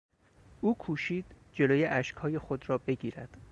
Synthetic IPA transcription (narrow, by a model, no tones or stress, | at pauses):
ʔuːkʰuːʃiːd̪̥ | d͡ʒe̞loːjeʔæʃkhɒːje̞xod̪rɒːbe̞ɡiːɾæd̪̥